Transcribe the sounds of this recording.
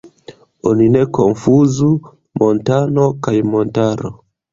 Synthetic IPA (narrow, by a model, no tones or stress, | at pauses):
oninekonfuzu | montano̞kajmontaɾo̰